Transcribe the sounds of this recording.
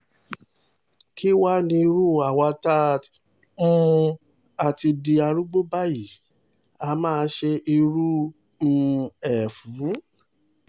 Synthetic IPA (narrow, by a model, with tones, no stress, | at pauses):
ki˦wa˦nĩ˧i˧ɾu˦˨a˨wa˧ta˦˨ | ũ˦ | a˨ti˧di˧a˧ɾu˦ɡ͡bo˦ba˦ji˨ | a˧mãː˦˧˦ʃe˧ʔi˧ɾũ˦˧ | ɛ˨fũ˨˦